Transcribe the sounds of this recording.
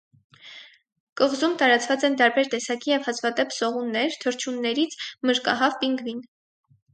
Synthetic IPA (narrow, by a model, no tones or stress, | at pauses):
kəʁzumt̪ɑɾɑt͡svɑt͡sɛnt̪ɑɾbɛɾt̪ɛsɑkijɛvhɑt͡sʰvɑd̪ɛpʰzɔʁunːɛɾt̪ʰəɾt͡ʃʰunːɛɾit͡sʰməɾkɑɦɑvpiŋɡvin